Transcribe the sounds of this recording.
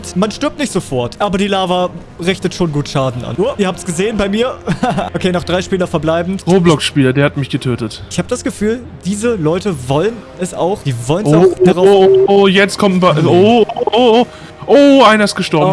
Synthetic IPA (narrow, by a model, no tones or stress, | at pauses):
ʊntmanʃtʏɐp̚tnɪçtz̥ofɔɐtʔaːbɐdiːlaːvɐ | ʁɪçtətʃoːnɡuːtʃaːdn̩ʔa̰nuːɐʔiɐaːp̚tsɡ̥əzeːənbaɪmiːɐʔokʰeːnɔχd̥ʁaɪʃpiːlɐfɛɐblaɪbn̩ʁoːblɔkʃpiːlɐdeːɐhatmɪçɡ̥ətʰøːtətɪçhaːbədasɡ̥əfyːl | d̥iːzəlɔʏtəvɔlən | ɛsa̰ʊxd̥iːvɔlənʊʊd̥aʁaʊojɛt͡stkʰɔmt̩paooooː | ʔoːʔaɪnɐɪstɡ̥əʃtɔɐb̩